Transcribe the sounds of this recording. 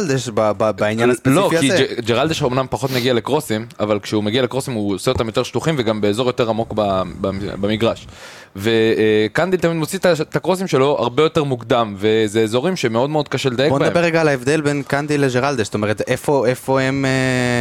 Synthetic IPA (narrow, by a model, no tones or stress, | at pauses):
ld̪eʃbababainanaspeloiid͡ʒeʁald̪eʃomnampaχo̞t̪meɡiale̞kʁo̞simavalkʃeumeɡialekʁo̞simuoseo̞t̪amjo̞t̪e̞ʃtuχimveɡambe̞ːzo̞jo̞t̪e̞ʁamo̞kbababamiɡʁaʃ | ve̞kand̪ilt̪amid̪mot͡sit̪at̪akʁo̞s̬imʃe̞lo̞ʔa̰ʁbe̞jo̞t̪e̞ʁmukd̪amve̞zeːzo̞ʁimʃemeo̞d̪meo̞d̪̚kaʃeled̪ajebonbedaembeʁːeɡaːlaevd̪e̞lbenkand̪iled͡ʒeʁald̪est̪o̞meʁet̪efo̞efo̞eme